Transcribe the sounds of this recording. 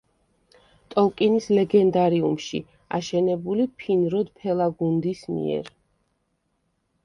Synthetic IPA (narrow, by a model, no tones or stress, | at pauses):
t̪ʼɔlˠkʼinislɛɡɛnd̪aɾiumʃḭ | a̰ʃɛnɛbulipʰinɾɔd̪pʰɛlˠaɡund̪ismḭɛ̰ɾ